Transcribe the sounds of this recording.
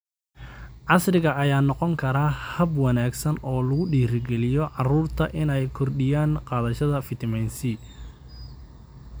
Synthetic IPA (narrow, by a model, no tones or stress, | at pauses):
ʕɑsrɪɣɐɐjaːnɔqɔŋkʰɐɾaːhɐbwɑnaːɡsɐnɔːlɐɣʊɖiːɾɪɡɛlɪjɔʕɑruːrt̪ʰɐʔɪnɛjkʰɔrɖɪjaːnqɑːðɐʃɐðɐfɪt̪ʰɐmɛnsi